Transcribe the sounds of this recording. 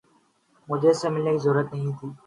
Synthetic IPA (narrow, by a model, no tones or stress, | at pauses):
mʊd͡ʒʱesːeːmɪlneːkiːzʊɾːət̪nəɦĩːt̪ʰiː